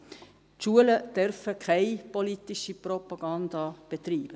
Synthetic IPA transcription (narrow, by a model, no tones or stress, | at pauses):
tʃuələd̥œɾfəkʰaɪpolitiʃiprɔpɑɡ̥ɑndɑb̥et̪riːb̥ə